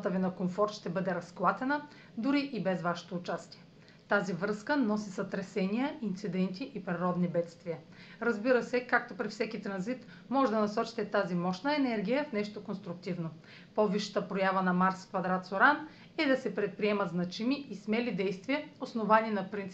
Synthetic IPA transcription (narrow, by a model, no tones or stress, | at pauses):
t̪əvɛnɐkomfɔɾt̪ʃt̪ɛbɤd̪ɛɾɐsklˠat̪ɛnə | d̪ʊɾiʔibɛzvaʃɛ̥t̪oːt͡ʃast̪iɛ | t̪azivɾɤskənɔsisɐt̪ɾɛsɛniəʔint̪sid̪ɛnt̪iʔːpɾiɾɔd̪nibɛt̪st̪vijə | ɾɐzbiɾəsɛkak̚t̪opɾifsɛkit̪ɾɐnzit̪ | mɔʒɛd̪ɐnɐsɔt͡ʃi̥t̪ɛt̪azimɔʃnəɛnɛɾɡʲijəfnɛʃt̪okonst̪ɾʊk̚t̪ivno | poviʃə̥t̪əpɾojavənɐmaɾskvɐd̪ɾat̪soɾan | ɛd̪ɐsɛpɾɛt̪̚pɾiɛmɐt̪znɐt͡ʃimiʔismɛlid̪ɛjst̪viəosnovaninɐpɾint̪s